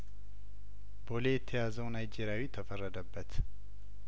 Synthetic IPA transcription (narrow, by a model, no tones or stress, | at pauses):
bolejɛt̪ʰːəjazəwnajd͡ʒeɾjawit̪ʰəfərːəd̪əbːət̪